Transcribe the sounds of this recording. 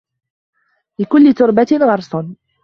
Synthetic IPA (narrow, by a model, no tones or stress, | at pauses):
lɪkʊlːɪt̪ʊɾbanɣɑɾˤsˤɑn